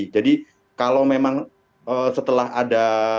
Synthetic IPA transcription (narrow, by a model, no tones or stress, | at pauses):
d͡ʒadi | kalowmemaŋ | əsət̪əlaɦada